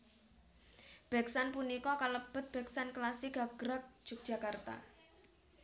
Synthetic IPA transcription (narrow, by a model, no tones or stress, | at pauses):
b̥ɛ̤ksanpunikɔkaləb̥ə̤t̪̚b̥ɛksanklasɪɡ̥a̤ɡ̥ɾak̚ʒ̥ʊk̚dʒ̥a̤kart̪a̰